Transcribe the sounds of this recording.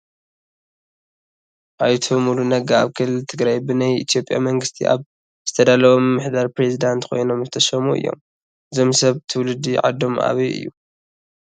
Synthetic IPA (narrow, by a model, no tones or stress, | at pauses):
ʔajt̪ʰomulunɐɡaaβkʰɨlːɨlt̪ʰɨɡɾajbɨnajḭt̪ʰijo̞pʼja̰mɐŋɡɨst̪ʰḭʔa̰β | zɨt̪ʰɐd̪alɐβomɨːɨħd̪aɾpɾe̞zid̪ant̪kʰo̞̰jno̞mzɨt̪ʰɐʃɐmuɨ̰jːo̞̰m | ɨzo̞msɐβt̪ʰɨwlɨd̪ːiʕa̰d̪ːo̞mʔa̰βiɨ̰jːu